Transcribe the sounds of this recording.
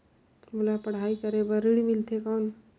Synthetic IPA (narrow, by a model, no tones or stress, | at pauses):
mulapɐɽ̤aːikəɾebəɾiɽimɪlt̪ʰekɔːn